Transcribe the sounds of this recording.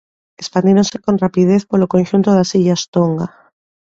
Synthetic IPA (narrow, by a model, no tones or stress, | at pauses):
espand̪eɾonseko̞nrapið̞eθpoɾlokõnʃunt̪oðasiʎast̪oŋɡa